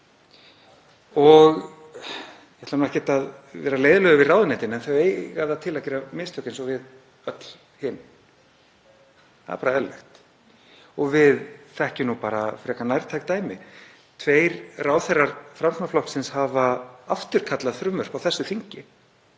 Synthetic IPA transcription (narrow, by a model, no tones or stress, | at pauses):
ɔɣ | jɛht̪amnɛhcɛt̪aðvɛːɾaleːjðʏlœɣʏvɪraːwðʏnɛjt̪ɪnɛnθœɥeːjɣaðat̪ʰɪlacɛɾamɪst̪ʰœhcːɪnsɔvɪð | œt̪l | hɪn | θa̰ðɪ̰paːɾaɛlɪxt̪ | ɔɣvɪðθɛhcɪnupaːɾafɾɛhkanajɾt̪ʰajk̚t̪aːjmɪ | t̪ʰveːjɾraːwθɛrːaɾ̥fɾamsnaflɔhsɪnshavaaft̪ʏɾ̥kʰat̪laðθɾʏmvœr̥pawθɛsːʏθiɲcɪ